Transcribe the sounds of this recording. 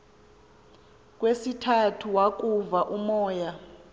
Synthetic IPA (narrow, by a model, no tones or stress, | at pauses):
k̬ʼwesitʰatʰuwak̬ʼuvaʔumɔːja